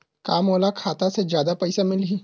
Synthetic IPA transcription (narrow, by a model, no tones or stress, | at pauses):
kaːmoːlakʰaːt̪ased͡ʒjaːd̪apɐɪsamɪlɦiː